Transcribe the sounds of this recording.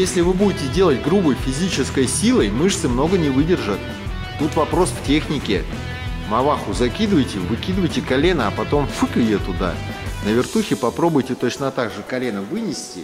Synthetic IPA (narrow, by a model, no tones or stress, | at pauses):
jesʲlʲɪvɨbudʲɪtʲɪdʲe̞lˠətʲɡɾubəjfʲɪzʲit͡ɕɪskəjsʲilˠəjmɨʂsɨmno̞ɡənʲɪvɨdʲɪrʐət̪̚ | t̪ut̪vɐpɾo̞sftʲe̞xnʲɪkʲɪ | mɐvaxʊzɐkʲid̪ɨvəjtʲɪvɨkʲid̪ɨvəjtʲɪkɐlʲe̞nəɐpɐt̪o̞mfɨkɪjet̪ʊd̪a̰nəvʲɪrt̪uxʲɪpɐpɾo̞bʊjtʲɪt̪o̞t͡ɕnət̪aɡʐɨkɐlʲe̞nəvɨnʲɪsʲtʲɪ̰